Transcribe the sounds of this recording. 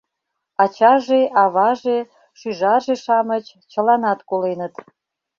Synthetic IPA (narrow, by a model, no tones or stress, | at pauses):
ɑt͡ɕɑʒeʔɑβɑʒe | ʃyʒɑʒeʃɑmət͡ɕ | t͡ɕə̆lɑnɑt̪kolenət̪